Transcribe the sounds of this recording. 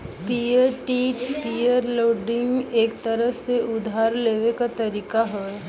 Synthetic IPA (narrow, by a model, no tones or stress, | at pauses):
pijəɾʈiːʈpijəɾloːɖɪ̃ŋɡeːkt̪əɾəɦseʔʊd̪ʱaːɾleːʋekat̪ɐɾiːkaɦoe